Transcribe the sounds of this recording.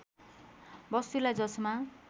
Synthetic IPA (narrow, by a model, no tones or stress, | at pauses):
bʌst̪ulajd͡zʌsma